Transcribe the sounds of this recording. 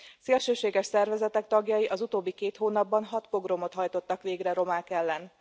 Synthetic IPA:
seːlʃøːʃeːɡɛʃsɛrvɛzɛt̪ɛk̚t̪ɒɡjɒjiʔɒzut̪oːbːikeːt̪hoːnɒbːɒnɦɒt̪po̞ɡromo̞t̪ɦɒjt̪o̞t̪ːɒkʋeːɡrɛɾo̞maːkɛlːɛn

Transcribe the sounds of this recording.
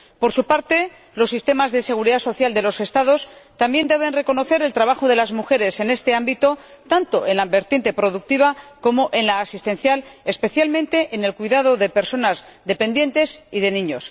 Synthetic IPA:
po̞ɾsupaɾt̪e̞ | lo̞sːist̪e̞mazðe̞se̞ɣ̞uɾiðaso̞θjald̪e̞lo̞se̞st̪aðo̞st̪ambje̞nd̪e̞β̞e̞nre̞ko̞no̞θe̞ɾe̞lt̪ɾaβaxo̞ð̞e̞lazmuxe̞ɾe̞se̞ne̞st̪e̞ambit̪o̞ | t̪ant̪o̞ʔe̞nlabe̞ɾt̪je̞nt̪e̞pɾo̞ð̞uk̚t̪iβako̞mo̞ʔe̞nlaːsist̪ẽ̞nθjale̞spe̞θjalmẽ̞nt̪e̞ʔene̞lkwiðað̞o̞ðe̞pe̞ɾso̞nazðe̞pe̞nd̪je̞nt̪e̞siðe̞nĩɲo̞s

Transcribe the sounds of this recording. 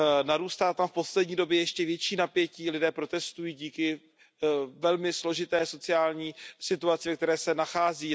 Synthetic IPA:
naɾuːst̪aːt̪amfpo̞slɛdɲiːdo̞bjɛjɛʃcɛvjɛt͡ʃiːnapjɛciːlɪdɛːpɾo̞t̪ɛst̪ujiːɟiːkɪ | vɛlmɪslo̞ʒɪt̪ɛːso̞t͡sɪaːlɲiːsɪt̪uat͡sɪvɛk̚t̪ɛɾɛːsɛnaxaːziː

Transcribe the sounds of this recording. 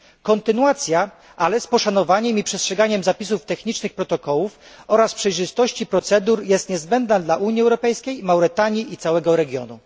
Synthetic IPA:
kɔnt̪ɘnuat̪sʲja | ʔalɛspɔʂan̪ɔvaɲɛmipʂɛstʂɛɡaɲɛmzapʲisuft̪ɛxɲit͡ʂnɘxpɾɔt̪ɔkɔwufɔɾaspʂɛjʐɘst̪ɔɕt͡ɕipɾɔt̪sɛd̪uɾjɛst̪ɲɛzbɛnd̪nad̪laʔuɲiɛwɾɔpɛjskʲejmawɾɘt̪aɲjiit̪sawɛɡɔɾɛɡʲjɔ̰nṵ

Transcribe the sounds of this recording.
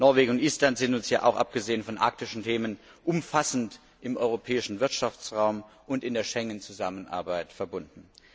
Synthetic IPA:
nɔɐveːɡŋʊntʔiːstlantz̥ɪntʊnsjaːʔa̰ʊxʔa̰p̚ɡ̥əzeːənfɔnʔa̰ɐk̚tɪʃn̩tʰeːmən | ʔʊmfasn̩t | ɪmʔɔʏʁopʰɛːɪʃn̩vɪɐtʃaft͡sʁaʊm | ʔʊntɪndeːɐʃɛŋənt͡suzamənʔa̰ɐbaɪtfɛɐbʊndn̩

